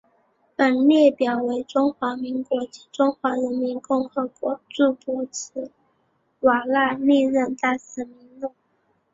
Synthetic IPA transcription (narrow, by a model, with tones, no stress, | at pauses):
pə˨˩nljɛ˥˩pjɑ˨˩ʊwe˧˥ɪʈ͡ʂʊ˥ŋxwa˧˥mi˧˥ŋkwɔ˧˥t͡ɕi˧˥ʈ͡ʂʊ˥ŋxwa˧˥ɻə˧˥nmi˧˥nkʊ˥˩ŋxɤ˧˥kwɔ˧˥ʈ͡ʂu˥˩pwɔ˧˥t͡s̩ʰ˧˥ | wa˨˩la˥˧li˥˧ɻə˥˧nt̪a˥˩sɹ̩˧˥mi˧˥ŋlu˥˩